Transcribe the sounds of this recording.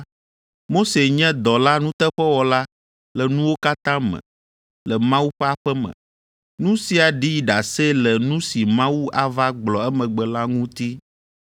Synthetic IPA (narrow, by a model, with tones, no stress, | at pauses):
mo˦se˨ɲɛ̃˦d̪ɔ˨la˦nũ˦t̪ɛ˦ɸɛ˦wɔ˨la˦ | lɛ˨nũ˦wo˦ka˦t̪ã˦mɛ̰̃˨ | lɛ˨mã˦wu˦ɸɛ˦a˨ɸɛ˦mɛ̰̃˨ | nũ˦si˨a˨ɖi˦ɖa˨se˦lɛ˨nũ˦si˨mã˦wu˦a˦va˦ɡ͡blɔ˨ɛ˦mɛ̃˨ɡ͡bɛ˨la˦ŋũ˦t̪i˦